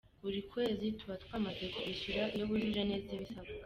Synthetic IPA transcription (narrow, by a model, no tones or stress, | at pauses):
βuɾikwe̞ːzitʰuβatwaːmad͡zekʰwiʃuɾaijoβuʒiʒaneziβisaβa